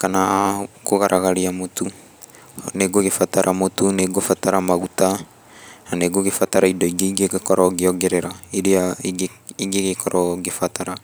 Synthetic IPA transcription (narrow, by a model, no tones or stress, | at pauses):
kanaɡoɣaɾʔaɣaɾiamot̪u | neɡuoɡefat̪aɾʔamot̪uneɡuofat̪aɾamaɡut̪a | naneɡuoɡefat̪aɾaidoiɡeɡeɡekoɾoɡeoɡeɾeɾaiɾiaiɡiɡeɡekʰoɾʔoɡefat̪aɾa